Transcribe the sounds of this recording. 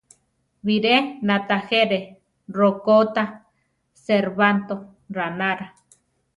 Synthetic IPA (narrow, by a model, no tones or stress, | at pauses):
βiɾenat̪axeɾe | rokot̪a | seɾβant̪o | ɾanaɾa